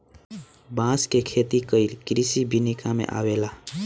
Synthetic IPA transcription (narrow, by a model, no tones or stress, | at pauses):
bãskekʰet̪ikəilkɾisibʱinikamḛ̃ʔa̰wela